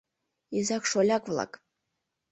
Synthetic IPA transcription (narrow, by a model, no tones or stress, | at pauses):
izakʂolʲakʷʼvlˠa̰kʼ